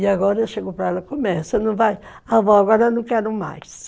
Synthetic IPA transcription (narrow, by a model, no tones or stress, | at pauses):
iaɡɔɾɐewʃeɡopɾɐɛlɐkomɛsɐnɐ̃w̃vaj | avɔaɡɔɾɐnɐ̃w̃kɛɾɐ̃ma̰js